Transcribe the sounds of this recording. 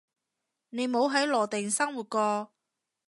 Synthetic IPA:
ne˨˧jmo˨˧wɦɐ˨˥jlɔː˨˩t̪ɪ˨˩ŋsɐ˥ŋwuː˨t̚kɔː˧

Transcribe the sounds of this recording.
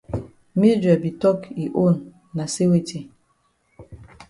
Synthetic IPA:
mi˦d͡ʒɛ˨bi˨tɔ˦ki˨ʔo˦˨nː | a˨se˦we˦˨te˨

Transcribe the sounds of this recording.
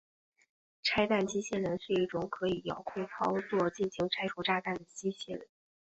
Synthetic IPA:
ʈ͡ʂʰa˥ɪt̪a˥˩nt͡ɕi˥ɕjɛ˥˩ɻə˧˥nʂɻ̩˥˧i˥˩ʈ͡ʂʊ˨˩ŋkʰɤ˧˥i˨˩jɑ̰˨˩ʊkʰwe˥˩ɪt͡sʰɑ˥ʊt͡swɔ˥˧t͡ɕi˥˩nɕi˧˥ŋʈ͡ʂʰa˥ɪʈ͡ʂʰu˧˥ʈ͡ʂa˥˧t̪a˥˩nd̪ə˩t͡ɕi˥ɕjɛ˥˩ɻə̰˧˥n

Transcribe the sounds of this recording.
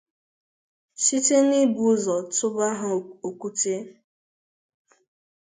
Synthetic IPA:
ʃi˦te˦ni˦bu˨˦zɔ˨tʊ˦ba˦ɦʊ˨o˨kʷu˦te˦

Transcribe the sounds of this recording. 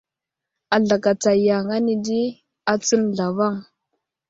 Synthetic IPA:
a˨ɮa˨ka˨t͡sa˨ja˨ŋa˦ni˨di˦ | a˨t͡su˦nɮa˨va˦˨ŋ

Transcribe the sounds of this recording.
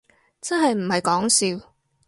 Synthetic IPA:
t͡sɐ˥nɦɐ˨jm̩˨˩hɐ˨jkɔː˨˥ŋsiː˧w

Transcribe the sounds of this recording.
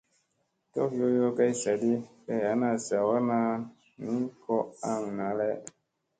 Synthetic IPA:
tɔ˦kjo˦jo˦ka˦jsa˨di˦bɛ˨a˨˦na˨sa˨wa˦na˦ | ni˦kɔ˦a˦ŋ˨na˨˦lɛ˦

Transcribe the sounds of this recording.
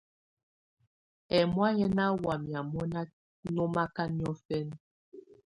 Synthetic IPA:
ɛ˨mwa˦ɲɛ˦na˦wa˨mja˨mɔ˦na˦ | nɔ˦ma˦ka˦ni˦ɔ˦fɛ˦n

